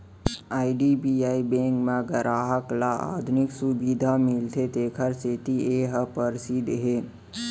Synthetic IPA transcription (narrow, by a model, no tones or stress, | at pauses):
aːiɖibiːaːibẽːŋkmẽɡəɾaːɦəklaʔa̰ːd̪ʱʊnɪksubid̪ʱamɪlt̪ʰet̪eːkʰəɾset̪ieːɦəpəɾsid̪ɦeː